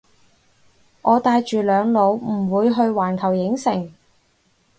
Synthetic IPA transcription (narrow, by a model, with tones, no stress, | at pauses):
ŋʔɔː˨˧t̪aː˧jt͡ʃyː˨lœː˨˧ŋlo˨˧wm̩˨˩wuː˨˧jɦɵ˧ɥwaː˨˩nkʰɐ˨˩wjɪ˨˥ŋsɪ˨˩ŋ